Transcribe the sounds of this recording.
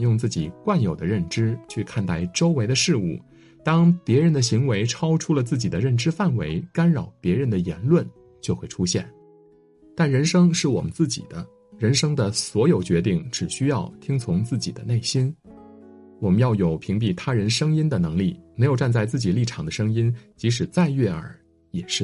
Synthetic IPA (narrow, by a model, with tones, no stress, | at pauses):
jʊ˥˧ŋt͡sɹ̩˥˩t͡ɕi˨˩kwa˥˩njo˨˩ʊd̪ə˦ɻə˥˩nʈ͡ʂɻ̩˥t͡ɕʰy˥˧kʰa˥˧nt̪a˥˩ɪʈ͡ʂo˥ʊwe˧˥ɪd̪ə˧ʂɻ̩˥˧ṵ˥˩ | t̪ɑ˥ŋpjɛ˧˥ɻə˧˥nd̪ə˧ɕi˧˥ŋwe˧˥ɪʈ͡ʂʰɑ˥ʊʈ͡ʂʰu˥lə˨t͡sɹ̩˥˩t͡ɕi˨˩d̪ə˦ɻə˥˩nʈ͡ʂɻ̩˥fa˥˩nwe˧˥ɪka˥nɻɑ˨˩ʊpjɛ˧˥ɻə˧˥nd̪ə˧jɛ˧˥nlwə˥˩n | t͡ɕjo˥˧ʊxwe˥˩ɪʈ͡ʂʰu˥ɕjɛ̰˥˩n | t̪a˥˩nɻə˧˥nʂɤ˥ŋʂɻ̩˥˩wɔ˨˩mə˦nt͡sɹ̩˥˩t͡ɕḭ˨˩d̪ə˦ | ɻə˧˥nʂɤ˥ŋd̪ə˨swɔ˧˥jo˨˩ʊt͡ɕɥɛ˧˥t̪i˥˩ŋʈ͡ʂɻ̩˨˩ɕy˥jɑ˥˩ʊt̪ʰi˥ŋt͡sʰʊ˧˥ŋt͡sɹ̩˥˩t͡ɕḭ˨˩d̪ə˦ne˥˩ɪɕi˥n | wɔ˨˩mə˦njɑ˥˩ʊjo˨˩ʊpʰi˧˥ŋp̬i˥˩t̪ʰa˥ɻə˧˥nʂɤ˥ŋi˥nd̪ə˨nɤ˧˥ŋli˥˩me˧˥ɪjʊʈ͡ʂa˥˧nt͡sa˥˧ɪt͡sɹ̩˥˩t͡ɕi˨˩li˥˩ʈ͡ʂʰɑ˨˩ŋd̪ə˦ʂɤ˥ŋi˥nt͡ɕi˧˥ʂ̬ɻ̩˨˩t͡sa˥˧ɪɥɛ˥˩ə̰˞˧˩˥ | jɛ˨˩ʂɻ̩˥˩